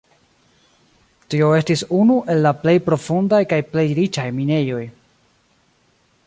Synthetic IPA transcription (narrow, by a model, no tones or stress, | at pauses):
tio̞e̞stisunuʔe̞lːaple̞jpɾo̞fundajkajple̞jɾit͡ʃajmine̞jo̞j